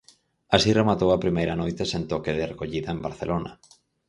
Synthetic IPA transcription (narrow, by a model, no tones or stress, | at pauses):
asiremat̪owapɾimejɾanojt̪esent̪okeðerekoʎiðɐembaɾθelʔona̰